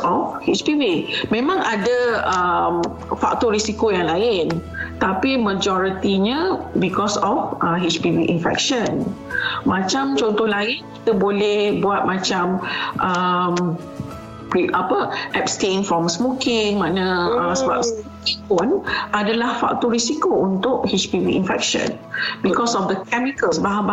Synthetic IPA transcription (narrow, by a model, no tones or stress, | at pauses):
ɔfhit͡ʃpivimẽmãŋadəəm | fak̚t̪ɔrɾisikojaŋlaɪn | t̪apiməd͡ʒɔɾit̪iɲabikɔsɔfʔəɦit͡ʃpiviʔinfɛ̰k̚ʃən | mãt͡ʃamt͡ʃɔnt̪ɔhlaɪnki̥t̪əbolɛhbuat̪̚mãt͡ʃamʔəm | iapəʔɛpstẽnfɹɔmsmokɪŋmãnãəsəba̰p̚s | ipɔnʔadalahfa̰k̚t̪ɔɾisikount̪ʊʔhit͡ʃpiviinfɛ̰k̚ʃə̰̃n | bikɔsɔfd̪əkɛmikəlsbaɦaba